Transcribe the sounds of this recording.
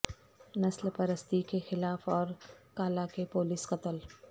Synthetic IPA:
nɐslpɐɾəst̪ikexɪlaːfɔːɾkaːlakepoːlɪsqɐt̪əl

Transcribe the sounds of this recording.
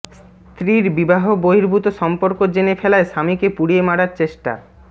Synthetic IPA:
s | t̪ɾiɾbibaɦoboɦiɾbʱut̪oʃɔmpoɾkod͡ʑenefɛlaeʃamikepuɽijemaɽaɾt͡ɕeʃʈa̰

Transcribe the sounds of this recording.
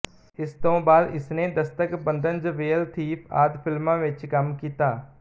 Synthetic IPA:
ɪst̪õːbaːd̪ɪsnẽːd̪əst̪əkbənd̪ənd͡ʒʋeːəlt̪ʰiːpʰa̰ːd̪pʰɪlmãːʋɪt͡ʃkəmkiːt̪aː

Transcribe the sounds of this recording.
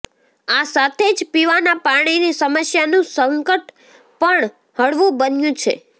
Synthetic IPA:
asat̪ʰed͡ʒpiʋanapaɽ̃inisəməsjanũsəŋkəʈ | pəɳ | həɭʋũbənjũt͡ʃʰḛ

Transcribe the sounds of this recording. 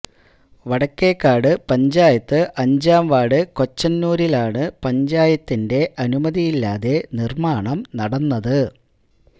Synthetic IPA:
ʋɐɽɐkːeːkːaːɽɨpɐɲd͡ʑaːjɐt̪ːɨʔɐɲd͡ʑaːmʋaːɽɨko̞t͡ɕːɐnːuːɾilaːɳɨpɐɲd͡ʑaːjɐt̪ːinde̞ʔɐnumɐðijilːaːðe̞nirmaːɳɐmnɐɽɐnːɐðɨ

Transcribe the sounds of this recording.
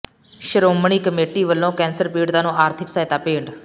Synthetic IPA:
ʃəɾoːmɳ̃iːkəmeːʈiːʋəlːõːkɛ̃ːnsəɾpiːɖd̪aːnũːʔaːɾt̪ʰɪksaɦɪt̪aːpeːɳɖ

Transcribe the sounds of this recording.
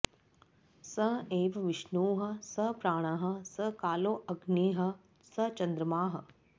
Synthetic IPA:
sɐeːʋɐʋɪʃnuːɦɐ̆sɐpɾaːɽ̃ɐɦɐ̆sɐkaːloːʔɐɡniːɦɐ̆ | sɐt͡ʃɐnd̪ɾɐmaːɦɐ̆

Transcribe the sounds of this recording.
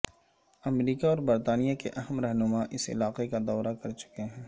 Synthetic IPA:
ɐmɾiːkaɔːɾbɐɾt̪aːnijakeʔɐɦəmɾɛɦnʊmaʔɪsɪ̰laːqekad̪ɔːɾakɐɾt͡ʃʊ̥keɦɛ̃ː

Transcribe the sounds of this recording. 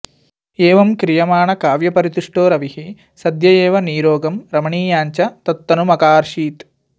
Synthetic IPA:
eːʋɐmkɾijɐmaːɳɐkaːʋjɐpɐɾit̪uʂʈoːɾɐʋihi | sɐd̪jɐjeːʋɐniːɾoːɡɐmɾɐmɐɳiːjaːɲt͡ʃɐt̪ɐt̪ːɐnumɐkaːɾʃiːt̪

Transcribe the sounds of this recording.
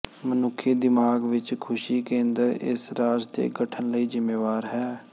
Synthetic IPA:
mənʊkʰːeːd̪ɪmaːɡʋɪt͡ʃkʰʊʃiːkẽːnd̪əɾɪ̰sɾaːd͡ʒt̪ḛːɡəʈʰənləiːzɪmːeːʋaːɾɦɛː

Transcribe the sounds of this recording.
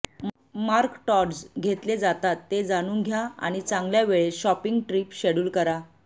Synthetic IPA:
maɾkʈɔʈd͡zɡʱet̪led͡zat̪at̪ːed͡zaɽ̃uːnɡʱjaa̰ɽ̃it͡sãŋɡljaʋeɭeɕɔpiŋɡʈɾiːpɕeɽuːlkəɾa

